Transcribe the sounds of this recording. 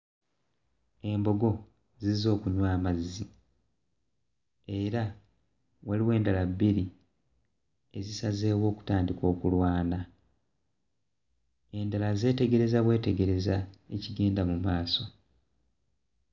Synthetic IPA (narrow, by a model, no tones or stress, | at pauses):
e̞mbo̞ɡo̞ | zizo̞ːkuɲwaːmazːi | e̞ɾa | waliwe̞ːndalabːiɾi | e̞zisaze̞ːwo̞ːku̥taːndiko̞ːkulwaːna | e̞ndalaze̞ːte̞ɡe̞ɾe̞zaβwe̞ːte̞ɡe̞ɾe̞zaeciɡe̞ːndamumaːso̞